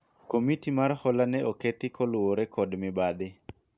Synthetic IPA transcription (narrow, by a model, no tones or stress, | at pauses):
komitimarhɔlanɛoket̪ɪkʰɔlʊwoɾɛkʰɔdmɪbad̪ɪ